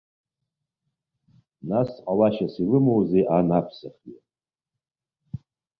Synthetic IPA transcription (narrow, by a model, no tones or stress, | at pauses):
nasqʼawaʃasilɨmowzejʔanapʰsaχe